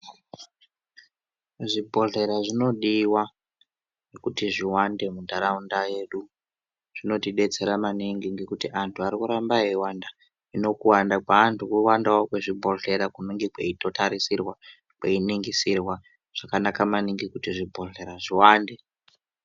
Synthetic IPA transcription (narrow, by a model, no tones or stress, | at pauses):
ʐibʱo̞ɮe̞ɾaʐino̞ɗiwa | nekutiʐiwande̞mundaɾaundaje̞ɗu | ʐ̥ino̞tiɗe̞t͡se̞ɾamaniŋɡiŋɡekutiʔantʰuaɾikuɾambaiwanda | ino̞kuwandakwaːntʰukuwandawokweʐibʱo̞ɮe̞ɾakuniŋɡikweito̞taɾisirwa | kwe̞iniŋɡisirwa | ʐ̥akanakamaniŋɡikutiʐibʱo̞ɮe̞ɾaʐiwaːnde̞